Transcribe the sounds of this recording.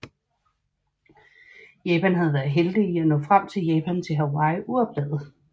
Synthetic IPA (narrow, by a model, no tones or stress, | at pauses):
jɛːpʰænɦæð̞̩ˠʋæɐð̩ˠɦeld̥iiænɔ̽ːfʁam̰t͡sʰe̝ljɛːpʰænt͡sʰe̝lɦæwɑ̈ɪʔuɒ̽b̥̚l̥eð̰ˠð̩ˠ